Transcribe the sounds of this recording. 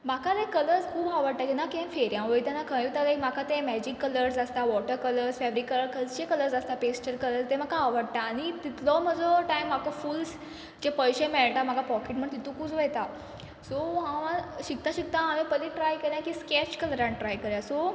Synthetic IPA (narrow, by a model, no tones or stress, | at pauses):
m̤akʰat̪ekələɾd͡zkʰuːbʱaʋəɽ̚t̪at̪inakẽnfeɾjãʋəjt̪anakʰə̃jit̪aɡam̤akʰat̪ẽmɛd͡ʑikːələɾsast̪aʋɔʈəɾkələɾsfɛʋɾikːələɾkəd͡zt͡ɕekələɾsast̪apesʈəɾkələɾd͡zt̪ẽm̤akʰaːʋəɽt̪aːɽ̃it̪it̪lɔm̤əd͡zɔʈajmːakafuːls | d͡ʑepəjɕẽmeɭʈ̪am̤akapɔkeʈ̚m̤əɳt̪it̪ũkuːt͡sʋəjt̪a | soɦããɕikt̪aɕik̚t̪ãːʋẽpəliʈɾajkəɾjãkiːskɛt͡ɕkəlɾãɳʈɾajkəɾjãso